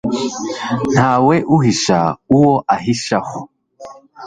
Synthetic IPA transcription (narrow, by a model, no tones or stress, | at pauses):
n̥haweʔuhiʃa̰uwoʔaɦiʃaho